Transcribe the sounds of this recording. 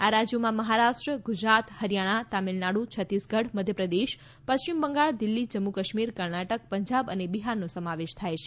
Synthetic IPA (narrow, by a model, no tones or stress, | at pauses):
aɾad͡ʒjomãməɦaɾaʃʈɾəɡʊd͡ʒɾat̪həɾjaɽ̃at̪amilnaɽut͡ʃʰət̪isɡəɽməd̪ʱjəpɾəd̪eʃ | pəst͡ʃimbəŋɡaɭd̪ɪlːid͡ʒəmːukəʃmiɾkəɾnaʈək̚pəɲd͡ʒabənebiɦaɾnosəmaʋeʃt̪ʰajt͡ʃʰe